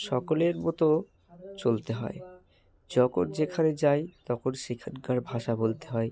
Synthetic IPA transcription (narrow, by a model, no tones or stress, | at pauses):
ʃɔkoleɾmot̪o | t͡ɕolt̪eɦɔ̰e | d͡ʑɔkond͡ʑekʰaned͡ʑajt̪ɔkonʃikʰatɡaɾbʱaʃabolt̪eɦɔe